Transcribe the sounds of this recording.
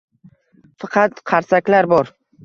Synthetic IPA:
fɑqʰɑt̪qʰɑɾsakʲlaɾbɒɾ

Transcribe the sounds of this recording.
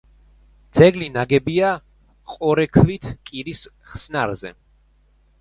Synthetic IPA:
d̪z̥ɛɡlinaɡɛbia | qʼɔɾɛkʰvit̪ʰkʼiɾis | χsnaɾzɛ̰

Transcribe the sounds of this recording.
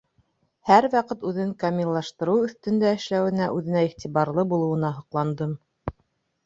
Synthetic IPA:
hæɾwɑqɤt̪ʉðɘŋkamʲilˠːɑʃt̪ɤ̆ɾɤwɵ̆θt̪ɵ̆nd̪æɘ̆ʃlæwɘ̆næʔʉðɘ̆næiχt̪ʲiβɑɾlˠɤbulˠɤ̆wɤ̆nɑɦŏqlˠɑnd̪ɤm

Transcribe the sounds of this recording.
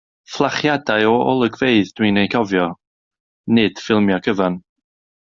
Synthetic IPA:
flˠaχjadaɨɔɔ̰lˠəɡveɨðd̥winejkʰɔvjɔ | nɪd̥fɪlˠmjɔkʰəvan

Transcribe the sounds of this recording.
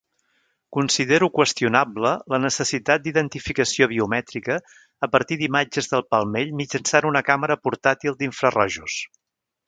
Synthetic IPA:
kunsiðeɾukwəst̪iunablələnəsəsit̪at̪̚d̪iðənt̪ifikəsioβ̞iumɛt̪ɾikəː | pəɾt̪iðimad͡ʒəzðəlˠpəlˠmeʎmid͡ʒənsanunəkaməɾəpuɾt̪at̪ilˠd̪iɱfɾərɔʒus

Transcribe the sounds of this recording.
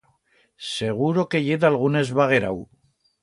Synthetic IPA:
seɣ̞uɾokeʎeðalɣ̞unezβaɣ̞eɾa̰w

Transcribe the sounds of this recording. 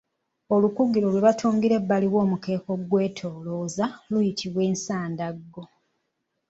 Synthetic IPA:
o̞lukuɡilo̞lwe̞βatʰuːŋɡiɾe̞bːaliwo̞ːmuke̞ːko̞ɡwe̞ːtʰo̞ːlo̞ːzalujitʰiβwe̞ːnsaːndaɡːo̞

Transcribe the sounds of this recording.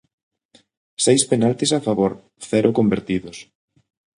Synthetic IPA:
sejspenalt̪isafaβoɾ | θɛɾʔʊkombeɾt̪iðʊs

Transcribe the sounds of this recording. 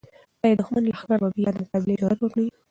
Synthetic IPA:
t̪ɑjed̪ʊxmanlaxaɡɑɾmabijɑd̪əmʊqɑbɪleɪd͡ʒɑɾat̪wəkɽi

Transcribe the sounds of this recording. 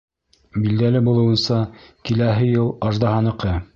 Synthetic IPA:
bild̪ælɘbulˠɤ̆wɤ̆nsɑkilæɦɘjɤlˠɑʒd̪ɑɦɑnɤ̆qɤ

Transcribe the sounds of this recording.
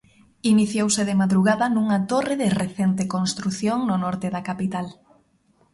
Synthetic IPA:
iniθjowsɪðɪmaðɾuɣaðɐnuŋat̪oreðereθent̪ekõnst̪ɾuθjoŋnʊnɔɾt̪ɪðɐkapit̪al

